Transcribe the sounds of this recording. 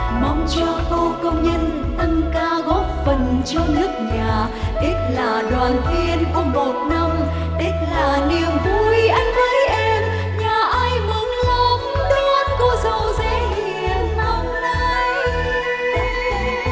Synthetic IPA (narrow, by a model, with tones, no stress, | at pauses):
ma˧wŋ͡mt͡ɕɔ˧xo˧wkə˧wŋ͡mɲə˧nt̪ə˧ŋkaː˧ɣɔ˨˦˥p̚fə˨˩nt͡ɕɔ˧ŋ͡mnɨ˦˥k̚ɲaː˨˩ | ʔi˦˥t̟̚laː˨˩ɗwaː˨˩nt̪i˧ənku˧˩əmo˨˩t̚na˧m | ʔi˦˥t̚laː˨˩ni˨˩əmvu˧jʔa˧jŋ̟və˨˦jʔɛ˧m | ɲaː˨˩ʔaː˧jmɨ˨˦ŋlə˨˧m | ɗɔ˨˧˦nku˧˩˦sə˨˦wzɛ̰˧˥˧hi˨˩˨ənmɔ˨˦ŋ͡m̚na˧j